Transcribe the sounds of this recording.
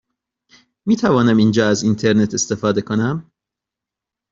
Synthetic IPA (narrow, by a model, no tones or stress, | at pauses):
miːt̪ʰævɒːnæmind͡ʒɒːæzint̪ʰeɾne̞t̪ʰe̞st̪e̞fɒːd̪e̞kʰonæm